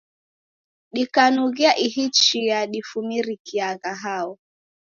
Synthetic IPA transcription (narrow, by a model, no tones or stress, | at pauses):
ɗikanuɣiaʔihit͡ʃiaɗifumiɾikiaɣaɦaɔ